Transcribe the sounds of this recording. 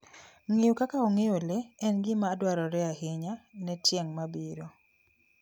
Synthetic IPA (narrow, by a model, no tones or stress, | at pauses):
ŋejokakaoŋejoleɛnɡɪmaːdwaɾɔɾɛaɦɪɲanɛtjɛŋmabiɾo